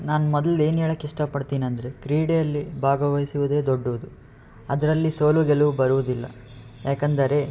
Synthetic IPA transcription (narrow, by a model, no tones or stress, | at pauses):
naːnumɔd̪ɐle̞ːnɛːɭɐkːiʂʈɐpɐɽt̪iːnɐnd̪ɐɾe̞kɾiːɽejɐlːibʱaːɡɐʋɐjsiʋud̪e̞ːd̪oɖːuʋud̪u | ɐd̪ɐɾɐlːisoːluɡelubɐɾuʋud̪ilːɐ̰ | jaːkɐnd̪ɐɾe̞